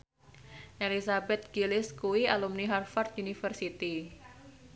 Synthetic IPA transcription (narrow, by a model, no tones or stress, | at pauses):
ʔelisabɛt̪̚ɡ̥ilɪskuwialumniɦarfart̪̚unifərsit̪i